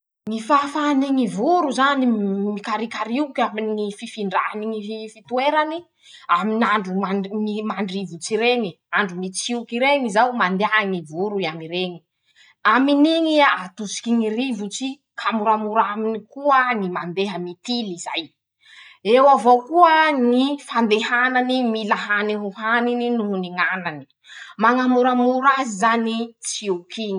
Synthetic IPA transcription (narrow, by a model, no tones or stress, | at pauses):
ŋifafaniŋivuɾuzanimikaɾikaɾiukaminiififiɳɖ͡ʐa̰aniŋifit̪ueɾani | aminaɳɖ͡ʐuamimaɳɖ͡ʐivut͡siɾeŋi | aɳɖ͡ʐumit͡siukiɾeŋizawmand̪eaŋivuɾuiamiɾeɲi̥ | aminiŋiaat̪usi̥kiŋirivut͡si | kʰamuɾamuɾaminikuənimand̪eɦəmit̪iliza̰j | ewavokuənifand̪eɦananimilaɦaniɦuɦanininuɦuniŋanani̥ | maŋamuɾamuɾazizanit͡siukiɲi